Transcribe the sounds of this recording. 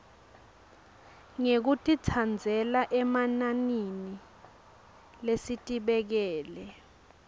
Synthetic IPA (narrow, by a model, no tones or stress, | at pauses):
ŋek̬utʼitʰand͡zʱɛlaʔɛmananini | lesitʼiɓɛk̬ɛːlɛ